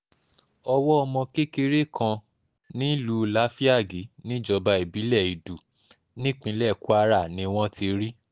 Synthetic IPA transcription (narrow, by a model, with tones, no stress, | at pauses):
ɔ˧wɔ˦ɔ˧mɔ̃˧ke˦ke˧ɾe˦kʰã˧ | nĩ˨˦lu˦˨la˦fi˦a˦˨ɡi˨˦nĩ˦d͡ʒɔ˧ba˧i˨bi˨˦lɛ˦˨i˨du˨ | nĩ˦k͡pĩ˧˦lɛ˦˨ku˦a˦ɾa˦˨nĩ˧˦w̃ɔ̃˦ti˧ɾi˦